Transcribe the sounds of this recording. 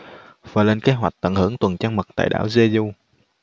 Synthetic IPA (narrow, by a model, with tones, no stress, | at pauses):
vaː˨˩jle˧nke˦˥tɦwa˨˩k̚t̪ə̰˧˩nhɨ˧˩əŋt̪wə˨˩nt͡ɕaː˧ŋmə˨˩t̚t̪a̰ː˧˨jɗa̰ː˧˩˨wze˧zu˧